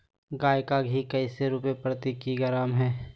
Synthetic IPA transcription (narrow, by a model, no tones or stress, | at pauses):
ɡaːjkaɡʱikəɪseɾupepɾət̪ikiɡəɾaːmɦɛː